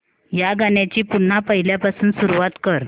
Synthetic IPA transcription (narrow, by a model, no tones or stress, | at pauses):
jaɡaɳjat͡ɕiːpun̤ːapəɦiljapasuːnsuɾuʋat̪kəɾ